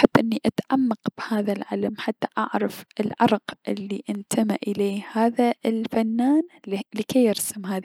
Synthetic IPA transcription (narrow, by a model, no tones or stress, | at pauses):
ħɪbːʔɪnːiʔat̪ʕamːɑqb̥haːðalʕalamħat̪ːḁʔa̰ʕɾˤɑfɪlʕɑ̰ɾˤqʔɪ̰lːiʔɪnt̪ʰamaʔɪleːhaːðaɪlfanːaːnlɪkeːjɪɾsɪmɦaːð